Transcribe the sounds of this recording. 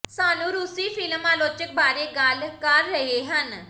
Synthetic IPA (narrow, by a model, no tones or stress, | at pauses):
saːnũːɾʊsiːpʰɪlmaːloːt͡ʃək̚baːɾeːɡalkəɾːəɦeːɦən